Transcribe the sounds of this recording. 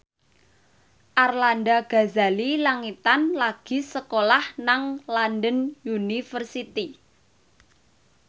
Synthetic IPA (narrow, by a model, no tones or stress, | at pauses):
ʔarlandaɡ̥a̤zalilaŋit̪anlaɡ̥i̤səkolahnaŋlandənjunifərsit̪i